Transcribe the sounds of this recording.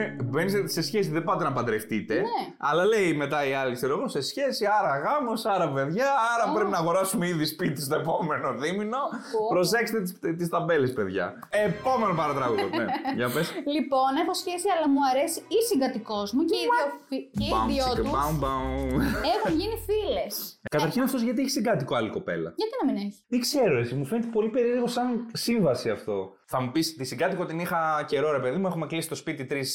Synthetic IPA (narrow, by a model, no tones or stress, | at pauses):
venisse̞sçesiðebɐt̪̬enɐpɐd̪ɾeft̪it̪e̞neɐlɐle̞jme̞t̪ɐiɐlikseɾoɣo̞se̞sçe̞siɐɾɐɣɐmo̞sɐɾɐpe̞ðʝɐːɾɐpɾe̞pinɐːɣo̞ɾɐsumeiðispit̪ist̪o̞epo̞me̞no̞ðimino̞pɾo̞s̬e̞kset̪et̪st̪ist̪ɐbe̞lespe̞ðʝɐ̰ | epo̞me̞nopɐɾɐt̪ɾɐɣuoʝɐpeslipo̞nexo̞sçesiɐlɐmuɐɾe̞siisiŋɡɐt̪iko̞zmueoiebaðiot̪ubɐunba | exunʝinifile̞skɐt̪ɐɾçinɐft̪o̞zʝɐt̪ieçisiɡɐt̪ikoɐliko̞pe̞̰lɐ̰ʝɐt̪inɐmineçit̪iɡse̞ɾo̞e̞t͡simufenet̪epo̞lipe̞ɾieɾɣo̞sɐnsiɱvɐsiɐft̪o̞ | θɐmupist̪isiŋɡɐt̪ikoot̪inixɐce̞ɾo̞ɾe̞peðimuexumeklisi̥st̪o̞spit̪it̪ɾis